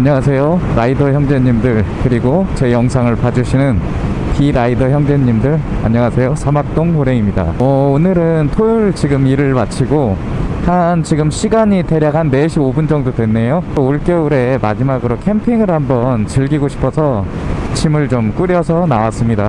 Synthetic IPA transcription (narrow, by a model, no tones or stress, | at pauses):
aɲʌŋasʰe̞joɾaidʌçjʌŋd͡ʑe̞ɲimdɯɭkɯɾiɡot͡ɕe̞jʌŋsʰaŋɯɭpad͡ʑuɕʰinɯn | piɾaidʌçjʌŋd͡ʑe̞ɲimdɯɭa̰ɲʌŋasʰe̞josʰamak̚t͈oŋhoɾe̞imɲida̰ʌonɯɾɯntʰojuɭt͡ɕiɡɯmiɾɯɭmat͡ɕʰiɡo | hant͡ɕiɡɯmɕʰiɡaɲite̞ɾjaɡɦanːe̞ɕʰiobund͡ʑʌŋdodwe̞nːe̞jot͈ouɭk͈jʌuɾe̞mad͡ʑimaɡɯɾokʰe̞mpʰiŋɯɭhambʌnt͡ɕɯɭɡiɡoɕʰi̥pʰʌsʰʌt͡ɕʰimɯɭt͡ɕomk͈ɯɾjʌsʰʌnawas͈ɯmɲida